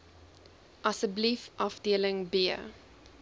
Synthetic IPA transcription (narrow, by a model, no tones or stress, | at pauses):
ʔɐsəblifʔɐfdiələŋbiə